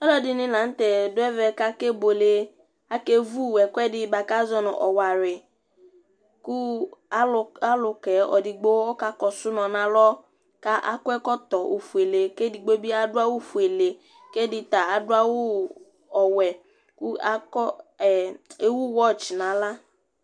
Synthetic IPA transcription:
ɔ˦lɔ˦dɪ˦nɪ˦la˨n̩˦tɛ˨dʊ˦ɛ˦vɛ˦ka˦ke˦bo˨le˦ | a˦ke˦vu˦˨wɛ˨kʷɛ˦dɪ˦˨ba˨ka˦zɔ˦nɔ̰˨ʔɔ̰˨wa˨ɾɪ˨ | ku˦˨ | a˦lʊ˨kɛ˨˦ɔ̰˨di˨ɡ͡bo˦ɔ˦ka˦kɔ˨sʊ˦nɔ˨na˨lɔ˦ | ka˦ʔa̰˦kʊ˦ɛ˦kɔ˦tɔ˨ʔo˨fu˨e˨le˨ke˦di˨ɡ͡bo˦bi˦a˦dʊ˦a˦wu˦˨fu˨e˨le˨ | ke˦dɪ˨ta˨a˨dʊ˦a˦wʊ˦ | ɔ˨wɛ˨ | ku˦a˦kɔ˦˨ | e˦wu˦wɔ˦˨t͡ʃna˨la˦

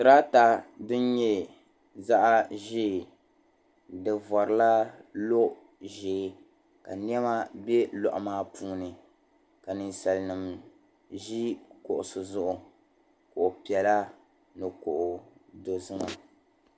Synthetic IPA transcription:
sɨ˨ɾaː˦ta˦dʊ˦n˦ɲɛ˦ | za˦ʔa˦ʒeː˦˨ | dɨ˨vɔ˨ɾɨ˨la˦lo˦ʔ | ʒeː˨˦ | ka̰˨ni˦ɛ˦ma˦bɛ˦lɔ̰˨ʔʊ̰˨maː˦pʰuː˦nɨ˨ | ka˨nɨ˨nsa˨lnɨ˨m | ʒi˦ko˨ʔʊ˨sɨ˨zʊ˦ʔʊ˨ | kʊ˨ʔʊ˨pi˨ɛ˨la˦ | nɨ˨ko˨ʔʊ˨do˨zɨ˦ŋa˨

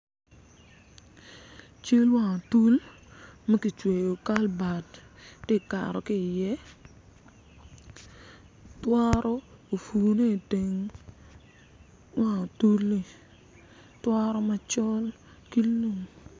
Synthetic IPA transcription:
t͡ʃe˦lwa˨ŋo˨tu˦l | ma˦ki˨t͡ʃwe˨jo˨ka˦lba˨dːɪ˦˨ka̰˨ɾɔ˨kɪ˦˨jɛ˦ | twa˦ɾɔ˦o˨fu˨ne˦˨te˨ŋ | wa˦˨ŋo˨tu˦li˨ | twa˦ɾɔ˦ma˨˦t͡ʃɔ˦l | ki˦lu˦˨ŋ

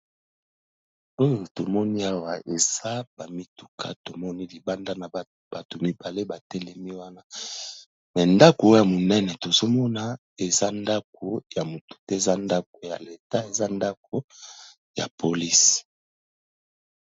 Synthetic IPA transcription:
o˦jo˨to˨mɔ˦ni˦a˦wa˨ʔe˨z̥a˦ba˨mi˦tu̥˨kʰa̰˨to˨mɔ˦ni˦li˨ba˦nda˦na˨ | b̥a˨to˨mi˦ba˨le˦ba˨tɛ˦lɛ˨mi˦wa˦na˦ | mɛ˨nda˦ko˨o˦ja˨mo˨nɛ˦nɛ˨to˨zo˦mɔ˦na˦ | e˨za˦nda˦k̚o˨ja˨mo˨tu̥˨tɛ˦e˨za˦nda˦k̚o˨ja̰˨le˨ta˦e˨za˦nda˦k̚o˨ | ja̰˨pʰo˨li˦s

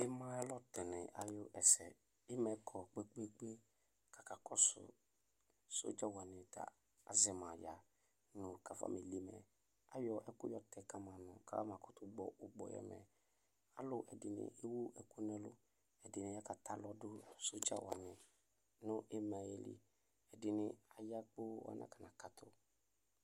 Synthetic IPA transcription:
ɪ˦mã˦ɛ˦lɔ˦tɛ˨nɪ˨ʔa̰˨jʊ˦ʔɛ˨sɛ˨ | ɪ˦mɛ˨kʰɔ˨k͡pe˦k͡pe˦k͡pe˦ | kʰa˨ka˨kɔ˦sʊ̰˨ | so̰˦d͡ʒa˦wa˨nɪ̃˨ta̰˨ | a̰˨zɪ˨mã˨ja˨ | nʊ̃˨kʰa˨fa̰˦me˨li˦mɛ̰˨ | a˨jɔ˨ʔɛ˦kʊ˦jɔ˦tʰɛ˨ka˦mã˨nʊ̃˨ka̰˦mã˨kɔ̥˨tʊ˦ɡ͡bɔ˨ʔʊ˨ɡ͡bɔ̰˨jɛ̰˦mɛ̰˨ | a̰˦lʊ˨ʔɛ˨dɪ˨nɪ̰˨ʔe˦wu˦ʔɛ˨kʊ˦nɛ̃˦lʊ̰˦ | ɛ˨dɪ˨nɪ̃˨˦ja˦ka˨tʰa˦lɔ˦dʊ˦so˦d͡ʒa̰˦wa̰˨nɪ̃˨ | nʊ̃˦ʔɛ˦mã˨jɛ˨lḭ˦ | ɛ˨dɪ˨nɪ̃˨a˨ja˦k͡pʊ˦wa̰˦nʔã̰˦˨ka˨nã˨ka˨tʰʊ̰˦

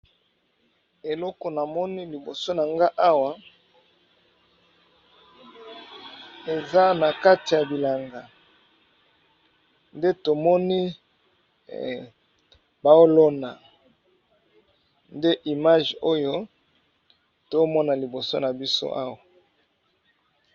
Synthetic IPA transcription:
e˨lɔ˦ko˨na˨mɔ˦ni˦li˨bo˨so˦na˨ŋɡa˦ʔa˦wa˨ | e˨za˦na˨ka˦ti˨ja˨bi˨la˨ŋɡa˨ | nde˦to˨mɔ˦ni˦ | ba˨o˦lo˦na˨ | nde˦ʔi˨ma˦ʒo˦jo˦ | to˦mɔ˦na˨li˨bo˨so̰˦na˨bi˦so̰˦ʔa˦wa˨

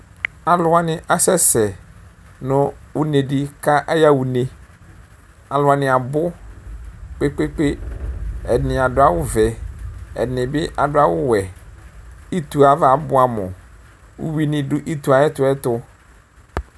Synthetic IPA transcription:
a˨lʊ˨a˦nɪ̃˦ʔa˨sɛ˦sɛ˨ | nʊ̃˨wʊ˦ne˨di˦ka˦ʔɛ˦ja˦wu˨nẽ˨ | a˨lʊ˨˦a˨nɪ̃˨a˨bʊ˦ | k͡pe˦k͡pe˦k͡pe˦ | ɛ̰˨nɪ̃˨a˨dʊ˦a˦wʊ˦vɛ˨ɛ̰˨nɪ̃˨bɪ˦ʔa˨dʊ˦a˦wʊ˦wɛ˨ | i˦t̪u˨a˨va˨bʊ˦a˨mʊ̰̃˨ | ṵ˦wi˦nɪ̃˦dʊ˦ʔi˦tu˨a˨ɛ˦tʊ˨ɛ˦tʊ˦

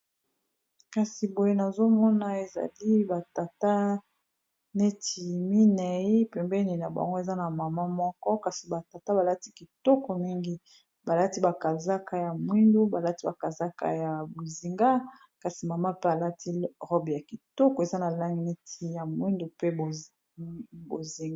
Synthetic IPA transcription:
ka˨si˨bo˨je˦na˨zo˦mɔ˦na˨e˨za̰˨li˦ba˨ta˨ta˦ | ne˦tʰi˨mi˦nɛ˨i˦pɛ˨mbɛ˦ni˨na˨ba̰˨ŋɡo˦e˨za˦na˨ma˨ma˦mɔ˦kɔ˦ka˨si˨ba˨ta˨ta˦ba˨la˦ti˦ki˨tɔ˦kɔ˨mi˦ŋɡi˦ | ba˨la˦ti˦ba˨ka˨za˦ka˦ja˨mwi˦ndu˦ba˨la˦ti˦ba˨ka˨za˦ka̰˨ja˨bo˨zi˨ŋɡa˦ | ka˨si˨ma˨ma˦pe˦a˨la˦tʰi˦ʁɔ˦bja˨ki˨tɔ˦kɔ˨e˨za˦na˨la˦ŋɡi˨ne˦tʰi˦ja˨mwi˦ndu˨pe˦˨ | bo̰˨zi˨ŋɡ

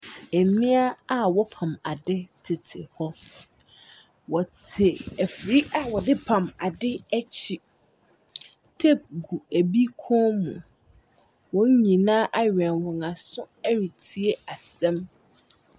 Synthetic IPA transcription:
ɛ˨mĩ˦a˦a˨wɔ˦pʰã˨ma̰˨dɪ˦tʰɪ˨tʰɪ̰˨hɔ˦ | wɔ˨tʰɪ˨æ˨fɾi˦ʔa˦wɔ˨dɪ˦pʰã˨ma˨dɪ˦æ˦t͡ɕʰi˨ | tʰe˦p̚ɡu˨æ˨bi˦kʰɔ̃˦mṵ̃˨ | wɔ̃˦n˦ɲĩ˨nãː˦ʔa˦ɥᶣɛ̃˨nwɔ̃˨ŋã˨sʊ̃˦æ˦ɾi˨tʰi˨e˦a˨sɛ̃˦m

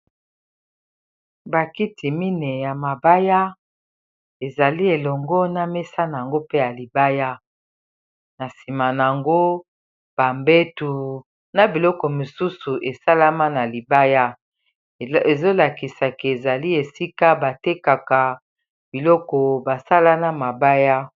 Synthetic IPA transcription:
ba˨ki˦tʰi˨mi˦ne˨ja˨ma˨ba˦ja˦ | e˨za˨li˦e˨lɔ˨ŋɡɔ˦na˨me˦sa˦na˨ŋɡo˦pe˦ja˨li˨ba˦ja˦ | na˨si˨ma˨n˨a˨ŋɡo˦ | b̥a˨mbe˦tu˨ | na˨bi˨lɔ˦kɔ˨mu˨su˦su˨ʔe˨sa˦la˦ma˦na˨li˨ba˦ja˦ | e˨zo˦la˨ki˨sa˨ke˨e˨za˨li˦e˨si˦ka˦ba˨te˦ka˨ka˨ | b̥i˨lɔ˦kɔ˨ba˨sa˦la˦na˦ma˨ba˦ja˦

